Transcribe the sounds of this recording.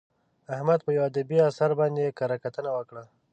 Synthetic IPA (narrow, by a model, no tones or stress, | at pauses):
ahmad̪pəjawad̪abiasaɾbɑnd̪ekɑɾakat̪ənawəkɽa